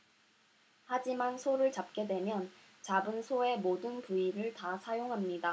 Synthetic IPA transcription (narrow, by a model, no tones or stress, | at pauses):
had͡ʑimansʰoɾɯɭt͡ɕap̚k͈e̞dwe̞mjʌn | t͡ɕabɯnsʰoe̞modɯnpuiɾɯɭtasʰajoŋɦamɲida